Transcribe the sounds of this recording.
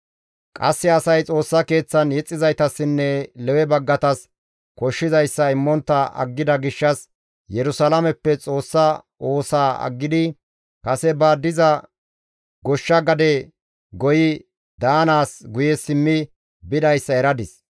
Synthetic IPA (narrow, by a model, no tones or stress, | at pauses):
kʼɐ̰sːɪɐsɐjt͡sʼo̞ːsːɐke̞ːt͡sːɐnjɛt͡sʼːɪzɐjt̪ɐsːɪnːɛlɛwɛbɐɡːɐt̪ɐs | kɔʃːɪzɐjsːɐɪmːɔnt̪ːɐɐ̰ɡːɪd̪ɐɡɪʃːɐs | jɛɾʊsɐlɐmɛpːɛt͡sʼo̞ːsːɐ | o̞ːsaːɐ̰ɡːɪd̪ɪ | kɐsɛbaːd̪ːɪzɐ | ɡɔʃːɐɡɐd̪ɛ | ɡɔjɪ | d̪aːnaːsɡʊjɛsɪmːɪ | bɪd̪ɐjsːɐɛɾɐd̪ɪs